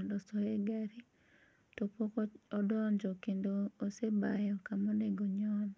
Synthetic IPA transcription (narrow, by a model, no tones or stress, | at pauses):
ndɔsɔeɡaɾi | tɔpɔkɔdɔnd͡ʒɔkendoːsebajɔkamɔneɡoɲɔn